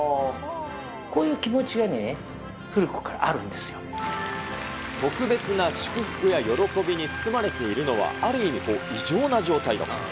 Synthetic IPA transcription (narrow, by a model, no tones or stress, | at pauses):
ko̞ːjɯ̟ːkʲimo̞t͡ɕiɡane | ɸɯ̟ɾɯ̟ko̥kaɾa̰ʔaɾɯ̟̃nd̪e̞sɨjo | t̪o̞kɯ̟be̞t͡sɨnaɕɨ̥kɯ̟ɸɯ̟̥kɯ̟jajo̞ɾo̞ko̞bʲiɲ̟it͡sɨ̥sɨmaɾe̞t̪e̞iɾɯ̟no̞βa̰aɾɯ̟imʲiko̞iʑo̞ːnaʑo̞ːt̪aid̪o̰